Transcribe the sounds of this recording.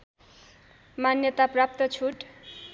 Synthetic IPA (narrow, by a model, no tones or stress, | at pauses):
manjʌt̪aprap̚t̪ʌt͡sʰuʈ